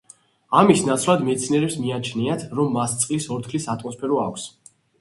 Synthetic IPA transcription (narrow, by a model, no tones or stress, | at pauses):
amisnat̪sʰlˠad̪mɛt̪sʰniɛɾɛpsmiat͡ʃʰniat̪ʰɾɔmːast̪sʼqʼlisɔɾt̪ʰlisat̪ʼmɔspʰɛɾɔa̰kʷʰs